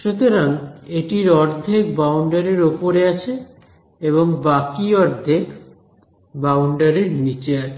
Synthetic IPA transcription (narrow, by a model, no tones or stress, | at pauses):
ʃut̪oɾaŋeʈiɾɔɾd̪ʱek̚bawɳɖaɾeɾopoɾeat͡ɕʰe | eβoŋbakiɔɾd̪ʱek | bawɳɖaɾeɾnit͡ɕea